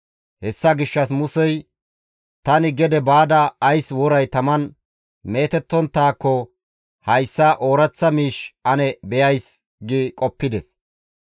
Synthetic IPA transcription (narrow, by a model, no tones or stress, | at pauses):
hɛsːɐɡɪʃːɐs̬mʊsɛj | t̪ɐnɪɡɛd̪ɛbaːd̪ɐːjswɔɾɐjt̪ɐmɐn | me̞ːt̪ɛt̪ːɔnt̪ːaːkːɔ | hɐjsːɐʔo̞ːɾɐt͡sːɐmiːʃɐnɛbɛjɐjs | ɡɪkʼɔpːɪd̪ɛs